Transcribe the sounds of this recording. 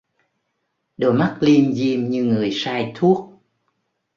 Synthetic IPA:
ɗo˨˩jma˦˥k̚li˧mzi˧mɲɨ˧ŋɨ˨˩əjsaː˧jt̪ʰu˦˥ək̚

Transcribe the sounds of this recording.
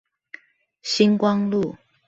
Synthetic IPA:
ɕi˥nkwɑ˦ŋlu˥˨

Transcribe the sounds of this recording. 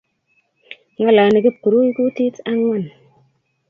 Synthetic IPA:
ŋa˦la˨ni˨ki˦pːɨ˨ɾu˦i˦ku˦ti˦ta˦ŋma˦˨n

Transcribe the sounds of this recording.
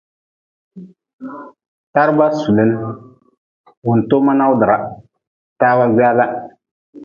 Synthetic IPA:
ta˦ɾɨ˦ba˦su˨le˦nɨ˦ | wʊ˨n̩˨to˦ma˦na˦ʊ˦dɨ˨ɾa˨ | taː˦wa˦ɡ͡ba˦la˦

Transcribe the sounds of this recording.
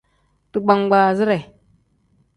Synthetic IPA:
tu˦ɡ͡ba˦ŋɡʷa˨zi˦ɾe˨

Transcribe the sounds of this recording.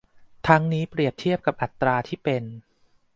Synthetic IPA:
t̪ʰa˦˥ŋniː˦˥pɾi˨˩əp̚t̪ʰi˥˩əp̚ka˨˩p̚ʔa˨˩t̪ːɾaː˧t̪ʰiː˥˩pe˧n

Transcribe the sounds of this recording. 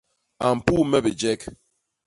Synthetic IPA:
a˨m̩˨pu˦mɛ˦bi˨d͡ʒɛ˦k

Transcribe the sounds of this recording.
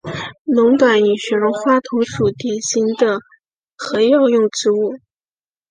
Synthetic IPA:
lʊ˧˥ŋt̪wa˨˩ny˨˩ɕɥɛ˧˥ɻʊ˧˥ŋxwa˥t̪ʰʊ˧˥ŋʂu˨˩t̪jɛ˨˩nɕi˧˥nd̪ə˨ | xɤ˧˥jɑ˥˧ʊjʊ˥˧ŋʈ͡ʂɻ̩˧˥u˥˩

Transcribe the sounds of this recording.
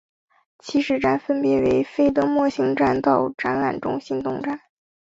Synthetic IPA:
t͡ɕʰi˧˥ʂɻ̩˥˩ʈ͡ʂa˥nfə˥npjɛ˧˥˩we˧˥ɪfe˥ɪt̪ɤ˧˥mwɔ˥˩ɕi˥ŋʈ͡ʂa˥˧nt̪ɑ˥˩ʊʈ͡ʂa˥nla̰˨˩nʈ͡ʂʊ̰˥ŋɕi˥ŋt̪ʊ˥˩ŋʈ͡ʂa˥˩n

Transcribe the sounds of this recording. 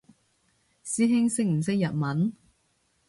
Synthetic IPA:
siː˥ɦɪ˥ŋsɪ˥k̚m̩˨˩sɪ˥k̚jɐ˨t̚mɐ˨˥n

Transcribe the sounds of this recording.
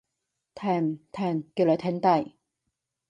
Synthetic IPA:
t̪ʰɛː˧˩nt̪ʰɛː˧˩nki˧wlœ˨˧˥t̪ʰɛ˨˥nt̪ɐ˧˩j

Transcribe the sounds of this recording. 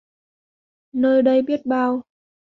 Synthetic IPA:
nəː˧jɗə˧jɓi˦˥ət̚ɓaː˧w

